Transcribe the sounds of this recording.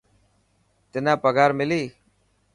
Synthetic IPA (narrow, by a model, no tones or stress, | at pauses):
t̪ɪnãːpəɡaːɾmɪliː